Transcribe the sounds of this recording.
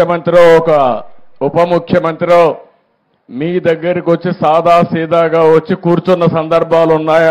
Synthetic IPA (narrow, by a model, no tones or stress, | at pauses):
ɐmɐnt̪ɾiloːɔkɐupɐmukʰjɐmɐnt̪ɾiloː | miːd̪ɐɡːɐɾikiʋot͡ʃːisaːd̪ʱaːsiːd̪aːɡaːʋɐt͡ʃːikuːɾt͡ʃunːɐsɐnd̪ɐɾbʱaːlunːaːj